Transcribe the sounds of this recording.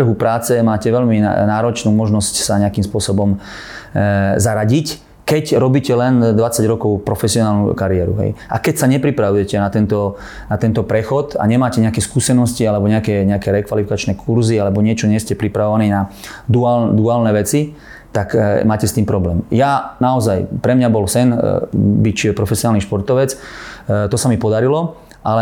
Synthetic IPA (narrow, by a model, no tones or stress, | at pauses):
r̩ɦupɾaːt͡sɛmaːcɛʋɛʎmḭnaːɾɔt͡ʃnuːmɔʒnɔscsaɲɛakimspʊɔsɔbɔm | zaɾaɟic | kɛcɾɔbiːcɛlɛnd̪ʋat͡saɟɾɔkɔʊpɾɔfɛsiɔnaːlnṵkaɾiɛːɾṵɦɛ̰jʔa̰kɛcsaɲɛpɾipɾaʋujɛcɛnat̪ɛnt̪ɔ | nat̪ɛnt̪ɔpɾɛxɔt̪a̰ɲɛmaːcɛɲɛakɛskuːsɛnɔscialɛbɔɲɛakɛɲɛakɛɾɛkʋalifikat͡ʃnɛkʰuɾzialɛbɔɲɪɛt͡ʃɔɲɛscɛpɾipɾaʋɔʋaniːna | d̪uald̪uaːlnɛːʋɛt͡si | t̪akmaːcɛst̪iːmpɾɔblɛ̰ːmjanaɔzajpɾɛmɲabɔlsɛnbipɾɔfɛsiɔnaːlniʃpɔɾt̪ɔʋɛt͡s | t̪ɔsamipɔd̪aɾilɔ | ʔalɛ